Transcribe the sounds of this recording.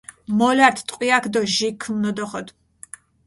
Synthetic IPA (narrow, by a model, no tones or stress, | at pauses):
mɔlaɾt̪ʰt̪ʼqʼwiakʰd̪ɔʒikʰːmnɔd̪ɔχɔd̪